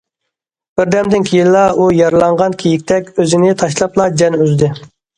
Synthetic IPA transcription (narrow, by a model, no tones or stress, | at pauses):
b̥ɪɾd̪ɛmd̪ɪnkʲʰijilːɑujɑɾlˠɑɴʁɑnkʲʰejikʲt̪ʰɛkʲøzɪnɪt̪ʰɑʃlˠɑplˠɑd͡ʒɛnyzd̪ɪ